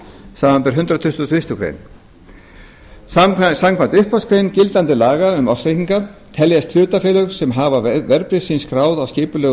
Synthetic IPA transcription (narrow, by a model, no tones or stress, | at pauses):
saːmampɛɾ̥ɦʏnt̪ɾat̪ʰʏst̪θvɪst̪ʏkʰɾḛjn | samkʰvant̪ʏhpaskʰɾejncɪlt̪ant̪ɪlaːɣaʏmawslejhiŋkat̪ʰɛljɛst̪ʰl̥ʏːt̪afɪːlʏɾ̥sɛmɦaːvavɛɾpɾɪsinskɾaːwðawscɪːpʏlœː